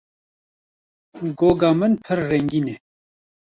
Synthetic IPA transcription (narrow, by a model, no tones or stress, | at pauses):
ɡoːɡɑːmɨnpʰɨɾːɛŋɡiːne